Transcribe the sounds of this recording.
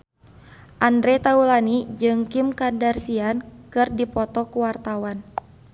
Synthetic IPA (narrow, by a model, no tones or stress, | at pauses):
ʔandɾɛt̪aulanid͡ʒɨŋkimkandarsiankɨrdipɔt̪ɔkuwart̪awan